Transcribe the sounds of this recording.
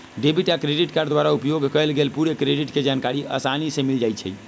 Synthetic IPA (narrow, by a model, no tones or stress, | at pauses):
ɖebʱiʈakɾeɖiʈkaɾɖd̪ʋaɾaupjoɡʱkəjlɡelpuɾekɾeɖiʈked͡ʒankaɾiʔə̰sanisẽmild͡ʒajt͡ʃʰɛ̰j